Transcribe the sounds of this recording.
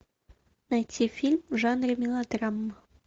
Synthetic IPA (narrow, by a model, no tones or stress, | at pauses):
najtʲʰifʲilʲmʒɑnrəmʲilˠad̪rɑmːə